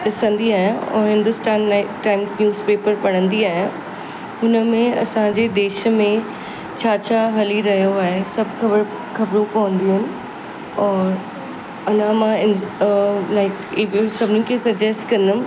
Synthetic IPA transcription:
ɗɪsə̃nd̪iaːɦjãɔ̰ːɾɦɪ̃nd̪ʊsʈaːnlaɪkʈaːɪmznjuːzpeːpəɾpɐɽ̃ə̃nd̪iaːɦijã | ɦʊnə̆mẽɐ̰sãɲd͡ʑed̪eːʃəmẽ | t͡ɕʰaːt͡ɕʰaɦɐliɾɐɦijoaːɦesɐbʱkɐbəɾ | kɐbɾũpɐʋə̃nd̪iɦənɪ̆ | ɔːɾ | ɐnãmãɪ̃n | laɪkːbsɐbʱɪnĩkʰesɐɡd͡ʑɛsʈkɐnəm

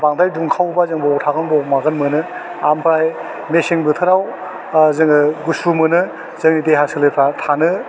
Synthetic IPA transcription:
baŋdajduŋkʰawbazɯŋbɔɔtʰaɡɯnbɔmaɡɯnmɯnɯ | ampɾaj | mesiŋbɯtʰɯɾaw | zɯŋɯɡusumɯnɯ | zɯŋniteɦasɯlɯjpʰɾatʰanɯ

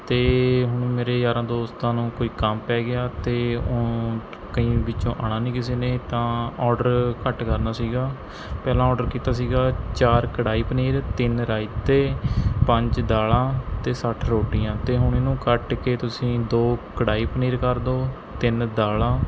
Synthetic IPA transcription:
t̪eːɦʊɳ̃ːmeːɾeːd͡ʒaːɾãːd̪oːst̪ãːnũːkoːiːkəmpɛːɡɪjaːt̪eːo | kəĩːbɪt͡ʃõːʔaːɽãːnĩːkɪs̬eːneːt̪ãːɔːɖəɾkəʈkəɾnaːsiːɡaː | pɛːlãːɔːɖəɾkiːt̪aːs̬iːɡaːt͡ʃaːɾkəɽaːiːpəniːɾt̪ɪnɾaːɪt̪eːpəɲd͡ʒd̪aːlãːt̪eːsəʈʰɾoːʈijãːt̪eːɦʊɳɪːnũːkəʈkeːt̪ʊsĩːd̪oːkəɽaːiːpəniːɾkəɾd̪oː | t̪ɪnd̪aːlãː

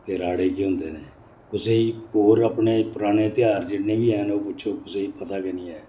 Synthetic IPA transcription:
t̪eːɾaːɽeːkiːɦʊ̃ːnd̪eːneː | kʊseːiːɦoːɾaːpɳeːpəɾaːɽ̃eːt̪ɪjaːɾd͡ʒɪɽnẽːʋiːɛːnoːpʊːʃʰoːkʊseːiːpət̪aːkenĩːɛː

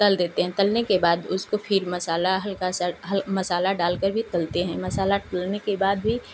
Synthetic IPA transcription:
t̪ɐld̪eːt̪eɦɛ̃t̪ɐlnekebaːd̪ʊskopʰɪɾmɐsaːlaɦɐlkasaɦɐlmɐsaːlaɖaːlkəɾbʱit̪ɐlt̪eɦɛ̃mɐsaːlaʈɐlnekebaːd̪bʱi

